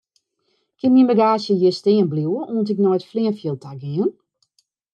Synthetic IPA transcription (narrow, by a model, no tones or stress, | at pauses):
kʰɪnminbəɡaːsjəjɪstɪːənbluwəʔoəntɪknɔjtflɪənfjəlˠtʰaɡɪən